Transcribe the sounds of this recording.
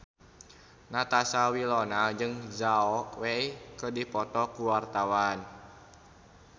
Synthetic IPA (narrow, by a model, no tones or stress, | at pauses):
nat̪asawilɔnald͡ʒɨŋzaɔkweikədipɔt̪ɔkuwart̪awan